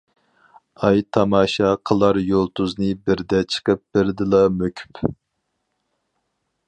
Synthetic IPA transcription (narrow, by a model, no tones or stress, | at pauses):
ɑjt̪ʰɑmɑːʃɑqʰəlˠɑɾjolˠt̪uznɨbɪɾd̪ɛt͡ʃʰə̥qəp̚b̥ɪɾd̪ɨlˠɑmøkʲʰy̥p